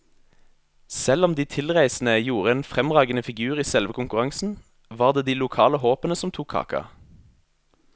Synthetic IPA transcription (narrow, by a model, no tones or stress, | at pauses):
sɛlɔmd̪iːt̪ʰɪlʁæɪsn̩əjuːʁəeːnfʁɛmʁɑːɡənəfɪɡʉːʁiːsɛlʋəkʊŋkʉʁɑŋsn̩ | ʋɑːʁd̪eːd̪iːlʊkʰɑːləɦoːpənəsɔmt̪ʰuːkʰːɑ̰ːkɑ̰